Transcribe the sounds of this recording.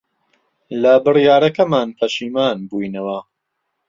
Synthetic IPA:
lɐbɨrjaːɾɐkɐmaːnpʰɐʃiːmaːnbujnɐwɐ

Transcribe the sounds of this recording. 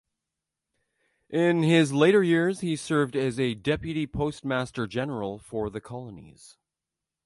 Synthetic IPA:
ʔɪ̃nɪzleɪɾə˞jɪɹz̥hisɜ˞vdɨzɨdɛpjɨɾipʰoʊst̚mæstə˞d͡ʒɛnə˞l̩ˠfə˞ðɨkʰɑlˠənḭz̥

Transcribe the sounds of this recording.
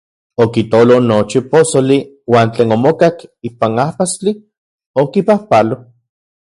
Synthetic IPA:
okit̪olonot͡ʃiposoli | waːnt͡ɬeːnomokakipanahpast͡ɬi | okipahpalo

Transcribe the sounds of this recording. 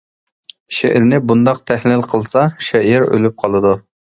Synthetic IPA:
ʃɛʔɪɾnɪbund̪ɑq̚t̪ʰæhlɪlqʰəlˠsɑʃɛʔɪɾø̰lyp̚qʰɑlˠɨd̪u

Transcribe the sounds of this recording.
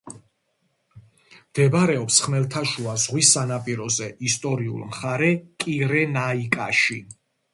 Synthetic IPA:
md̪̥ɛbɾɛɔpsχmɛlt̪ʰaʃuazʁwisanapʼiɾɔzɛʔist̪ʼɔɾiṵlˠmχaɾɛkʼiɾɛnaikʼaʃi

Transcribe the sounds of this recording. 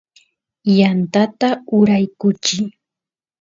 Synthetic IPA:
jant̪at̪aʊɾajkʊt͡ʃɪ

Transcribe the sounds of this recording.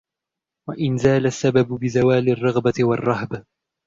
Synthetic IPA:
waʔɪnzaːlasːababʊbɪzawaːlɪrˤːɑɣbaɪwɑrˤːɑhba

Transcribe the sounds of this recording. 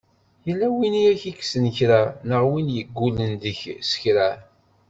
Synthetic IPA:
jəlːæwiniæçiksənçɾanəʁwinjəɡːulənd̪əçsə̥çɾæ

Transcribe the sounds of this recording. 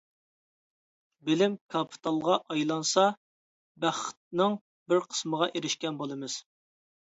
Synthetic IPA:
bɪlɪmkʰɑpʰi̥t̪ʰɑlˠʁɑʔɑjlˠɑnsɑ | bæχt̪̚nɨŋ | bɪɾqʰə̥sməʁɑʔeɾɪʃkʲɛnbolˠɨmɨz̥

